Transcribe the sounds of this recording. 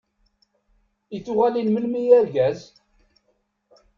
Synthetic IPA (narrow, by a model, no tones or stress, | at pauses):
it͡sːʊʁælinməlmijæɾɡæz